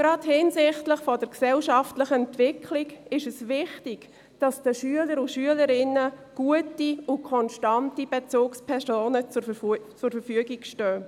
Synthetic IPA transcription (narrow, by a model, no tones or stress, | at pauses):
ɡ̥ɾɑthɪnsɪχtlɪχfɔd̥əɾksɛlʃɑftləχəɛntʋɪkʰliɡɪʃəsʋɪχtɪɡ̥ | d̥ɑsd̥əʃyələɾʊʃyələɾɪnːəɡ̥uətiʊkʰɔnʃtɑntib̥et͡suːkspʰɛɾsoːnət͡sʊt͡sʊɾfəɾfyəɡiɡʃtœː